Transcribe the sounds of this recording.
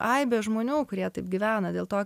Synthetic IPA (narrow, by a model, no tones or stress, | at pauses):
ʔɐɪbʲeʒmoːnʲuːkʊɾʲiɛt̪ɐɪpɡʲɪʋʲæːnɐdʲeːlˠt̪oːk